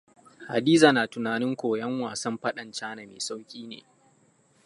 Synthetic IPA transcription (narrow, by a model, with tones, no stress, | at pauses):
ha̰˨diː˦zaː˨naː˨tʊ˨naː˨nɪ˦ŋkʷoː˨jɐ˦ŋwaː˨sɐ˦mɸɐ˦ɗɐ˨nt͡ʃaː˦na˨mḛː˨sa˦wkʲʼiː˦nḛː˨